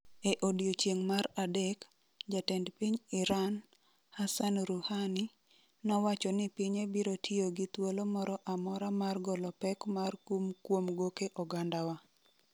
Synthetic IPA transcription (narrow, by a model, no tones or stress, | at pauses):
eʔodjot͡ʃjeŋmaɾadɛk | d͡ʒatɛndpiɲɪɾan | hasanɾuhani | nɔwat͡ʃɔnɪpiɲebiɾotʰioɡit̪wolomɔɾɔʔamɔɾamarɡɔlɔpɛkmarkumkwomɡokeʔɔɡandawa